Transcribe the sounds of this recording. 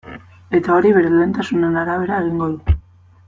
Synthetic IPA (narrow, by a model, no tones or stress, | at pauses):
e̞t̪ao̞ɾiβe̞ɾe̞lent̪asune̞naɾaβ̞e̞ɾaeɣiŋɡo̞ðu